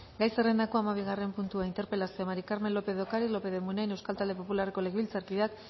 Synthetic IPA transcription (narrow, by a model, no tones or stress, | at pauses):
ɡajserend̪ako̞amaβ̞iɣ̞are̞mpunt̪uaint̪e̞ɾpe̞lasiomaɾikaɾme̞nlːo̞pe̞ðokaɾilo̞pe̞ðemunajne̞wskalt̪ald̪e̞po̞pulare̞ko̞le̞ɣβilt͡saɾkiðak